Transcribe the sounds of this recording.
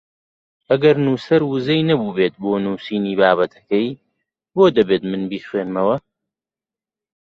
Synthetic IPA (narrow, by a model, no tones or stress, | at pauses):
ʔɐɡɐɾnuːsɐɾwuzɐjnɐbuːbeːt̪̚boːnuːsiːniːbaːβɐt̪ʰɐ̥kɐj | boːd̪ɐbeːt̪mɨnbiːxweːnmɐwɐ